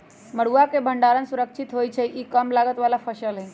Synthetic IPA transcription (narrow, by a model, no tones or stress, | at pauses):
məɽ̤uakebʱəɳɖaɾənsuɾəkʃʰɪt̪ɦojt͡ʃʰeʔikəmlaɡət̪ʋalapʰəʃəlɦɛ̃